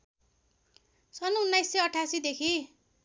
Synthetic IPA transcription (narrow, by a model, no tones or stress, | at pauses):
sʌnuunːajsːʌjʌʈʰasid̪ekʰi